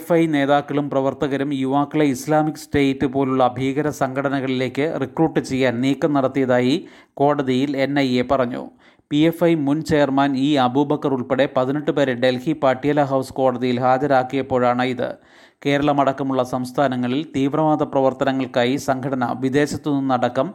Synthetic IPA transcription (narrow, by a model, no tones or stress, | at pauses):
fɐjne̞ːðaːkːɐɭumprɐʋɐrt̪ɐɣɐɾumjuʋaːkːɐɭɐislaːmikːɨ̥sʈeːtːɨpo̞ːluɭːɐbʱiːɣɐɾɐsɐŋkʰɐɽɐnɐɣɐɭile̞ːkːɨrikruːʈːɨt͡ɕe̞jːaːnniːkːɐmnɐɽɐt̪ːijɐðaːji | ko̞ːɽɐðijile̞nːɐjepɐrɐɲːṵ | piefɐjmunt͡ɕejɐrmaːniːɐbʱubʱɐkːɐruɭpeɽe̞pɐðineʈːɨpɐɾeɖe̞lhipaːʈːijɐlɐɦɐwsko̞ːɽɐðijilɦaːd͡ʑɐɾaːkːijɐpːo̞ːɻaːɳɨiðɨ̰ | ke̞ːɾɐɭɐmɐɽɐkːɐmuɭːɐsɐmst̪ʰaːnɐŋːɐɭilt̪iːʋrɐʋaːd̪ʱɐprɐʋɐrt̪ɐnɐŋːɐɭkaːjisɐŋkʰɐɽɐnɐ̰ʋid̪e̞ːɕɐt̪ːununːɐɽɐkːɐm